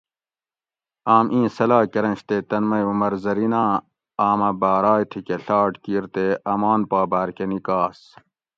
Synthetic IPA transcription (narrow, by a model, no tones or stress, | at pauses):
aːmʔĩːsɐlaːkɐɾɐ̃ɕt̪eːt̪ɐnmɐjumɐɾzɐɾinãː | aːmɐbaːɾaːjt̪ʰikeɬaːʈkiːɾt̪eʔɐmaːnpaːbaːɾkenikaːs